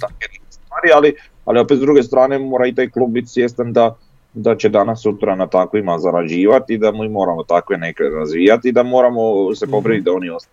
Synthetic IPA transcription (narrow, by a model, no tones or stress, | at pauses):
t̪akenukest̪ʋaːɾiali | a̰lio̞pet̪zd̪ɾuɡe̞st̪ɾaːne̞mo̞ːɾait̪aːjklˠub̚bit̪i̥sje̞st̪and̪a | d̪at͡ɕe̞d̪anasːut̪ɾanat̪akʋimazaɾad͡ʑiːʋat̪id̪amuimo̞ːɾamo̞t̪akʋeneklḛɾazʋiːjat̪id̪amo̞ːɾamose̞po̞pɾinit̪̚d̪ao̞nio̞st̪a